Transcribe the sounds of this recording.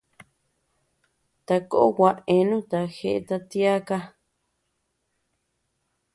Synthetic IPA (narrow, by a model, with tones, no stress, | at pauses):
t̪a˧ko˦ʔo˦wa˧ʔe˧nũ˦t̪a˨xe˧ʔe˧t̪a˧t̪i˦a˦ka˦